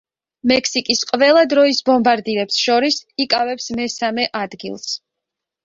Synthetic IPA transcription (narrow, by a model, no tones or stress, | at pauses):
mɛkʰsikʼisqʼvɛlˠad̪ɾɔisbɔmbaɾd̪iɾɛpsʃɔɾisikʼavɛpsmɛsamɛʔad̪ɡḭlˠs